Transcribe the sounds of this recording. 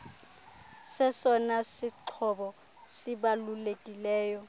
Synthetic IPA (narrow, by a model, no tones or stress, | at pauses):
sɛsɔnasɪǃʰɔɓɔ | sɪɓalulekʼilɛːjɔ